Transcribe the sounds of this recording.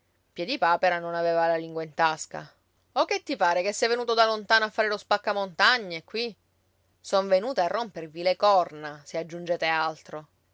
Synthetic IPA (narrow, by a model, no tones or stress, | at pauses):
pjed̪ipaːpeɾanonaveːvalaliŋɡwaint̪aska̰ | ok̟ːet̪ːipaːɾekesːɛjvenuːt̪od̪alont̪aːnoafːaːɾelospakːamont̪aɲːekwi | soɱvenuːt̪aarːompervilekɔrnasead͡ʒːund͡ʒɛːt̪ealt̪ɾo